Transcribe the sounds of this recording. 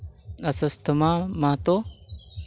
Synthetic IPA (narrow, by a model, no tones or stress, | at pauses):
ɐsɐst̪ʰəmamat̪o